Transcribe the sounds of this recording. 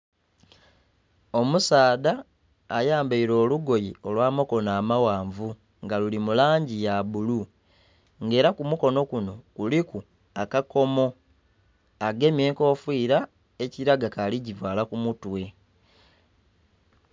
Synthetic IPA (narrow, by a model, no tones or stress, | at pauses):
o̞musaːdaː | jaːmbaiɾo̞ːluɡo̞jio̞lwaːmoko̞naːmawaːɱvu | ŋɡalulimulaːɲɟijaβulu | ŋɡe̞ːɾakumuko̞no̞kuno̞kuliku | akako̞mo̞ | aɡe̞mie̞ːŋko̞ːfwiːɾa | e̞ciɾaɡakalicivwaːlakumutwe̞